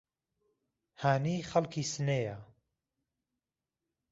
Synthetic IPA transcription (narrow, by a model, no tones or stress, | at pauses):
haːniːχɐlkʰiːsɨneja